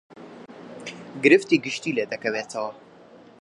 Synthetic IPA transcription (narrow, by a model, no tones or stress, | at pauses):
ɡɨɾɨft̪iɡɨʃt̪iːled̪ɐkɐweːt̪ʰɐwɐ